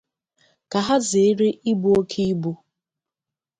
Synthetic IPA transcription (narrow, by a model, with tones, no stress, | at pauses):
ka˨ɦa˦zɪ˨˦ɾe˦ʔi˦bu˦o˦kʰi˦i˦bu˦